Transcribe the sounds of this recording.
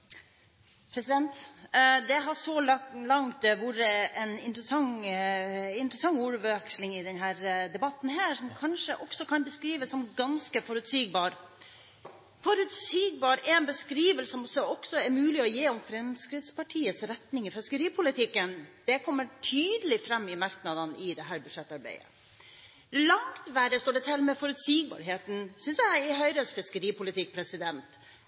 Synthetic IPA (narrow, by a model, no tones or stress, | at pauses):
pʰɾɛsɪd̪ɛnt̪d̪ɛɦɑʂɔllɑŋt̪ʋuɾəɛnɪnt̪ɾəsɑŋ | ɪnt̪əɾəsɑŋːuːɾʋɛkslɪŋɪd̪ɛnɦæːɾd̪ɛbɑt̪ːn̩ɦæːʂɔmkʰɑnʂəʔɔksɔkʰɑnbəskɾiːʋəsːɔmɡɑnskəfɔɾʉt̪siːɡ̚bɑːɾ | fɔɾʉt̪siːɡ̚bɑːɾɛnbəskɾiːʋəlsəɔmsɔɔksɔɛɾmʉːlɪɔjeːɔmfɾɛmskɾɪt̪spɑʈʰiːəsɾɛt̪nɪŋɪfɪskəɾiːpʰʊlɪt̪ʰɪkːənd̪̥ɛkʰɔmːəʈʰyːd̪əlɪfɾɑmːɪmɑɾknɑd̪ənɪd̪ɛɦæːɾbʉ̥ʂɛt̪ːɑɾbæ̰ɪə̰ | lɑŋt̪ʋæɖəst̪oːɖɛt̪ʰɪlmɛfɔɾʉt̪siːɡbɑ̰ːɾɦeːt̪n̩sʏnsjæɪɦœʏɾəsfɪskəɾiːpʰʊlɪt̪ʰɪk̚pʰɾɛsɪd̪ɛnt̪